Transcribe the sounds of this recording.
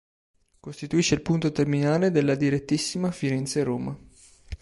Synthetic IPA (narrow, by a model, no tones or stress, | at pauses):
kost̪it̪uiːʃːeilpunt̪ot̪erminaːled̪elːad̪iɾet̪ːisːimafiɾɛnt̪seɾoːma